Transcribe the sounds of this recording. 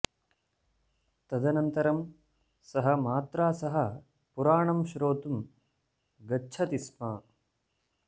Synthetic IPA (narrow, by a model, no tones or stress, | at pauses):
t̪ɐd̪ɐnɐnt̪ɐɾɐm | sɐɦɐmaːt̪ɾaːsɐɦɐ | puɾaːɳɐmʃɾoːt̪um | ɡɐːt͡ʃʰɐt̪ismɐː